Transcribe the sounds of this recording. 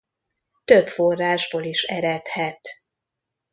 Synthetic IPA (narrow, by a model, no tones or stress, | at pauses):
t̪øpfo̞rːaːʒboːliʃɛ̰ɾɛt̪hɛt̪